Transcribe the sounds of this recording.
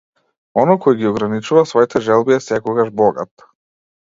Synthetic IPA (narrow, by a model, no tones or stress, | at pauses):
ɔnɔjkʰɔjɡiɔɡɾanit͡ʃuvasvɔit̪ʰɛʒɛlˠbiɛsɛkɔɡaʒbɔɡa̰t̪